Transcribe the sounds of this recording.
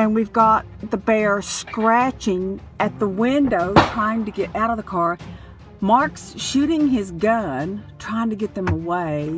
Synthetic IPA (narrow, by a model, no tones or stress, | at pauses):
ɨ̃nwivɡɑt̪̚ðəbɛɹskɹæt͡ʃɪ̃ŋ | ɨt̪̚ðəwɪ̃ndoʊtʰɹ̥aɪɪ̃ŋtɨɡɛɾʔaʊɾʌvðəkʰɑɹ | mɑɹksʃʉɾɪ̃ŋɪzɡʌ̃ntʰɹ̥aɪɪ̃ŋtɨɡɛt̪̚ðɨ̃məweɪ